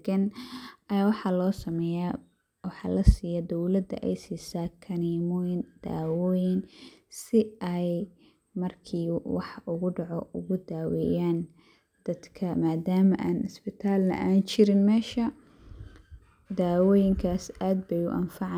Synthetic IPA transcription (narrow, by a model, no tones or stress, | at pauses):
ɡɪnʔɐjaːwɑħɑːlɔːsɐmɛːja | wɑħɑ̰ːlɐsiːjɐd̪ɔwlɐd̪ɐ̰ʔɛjsiːsaːkʰɐniːmɔjɪnd̪̥a̰ːwɔːjɪnsɪʔɛj | mɐrkʰiːwɑ̰ħʔʊɣʊɖɑʕɔʊɣʊd̪aːwɛ̰jaːn | d̪̥ɐd̪kʰɐmaːd̪aːmɐʔaːnɪsbɪt̪ʰaːlnɐ̰ʔaːnt͡ʃɪɾɪnmɛːʃɐ | d̪aːwɔːjɪŋkʰaːsaːd̪bɛjʊ̰ʔɐ̰nfɑʕ